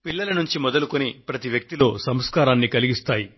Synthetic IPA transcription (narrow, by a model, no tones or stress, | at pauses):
pilːɐlɐnuɲt͡ʃimɔd̪ɐlukonipɾɐt̪iʋjɐk̚t̪ilo̞ːsɐmskaːɾaːnːikɐliɡist̪aːji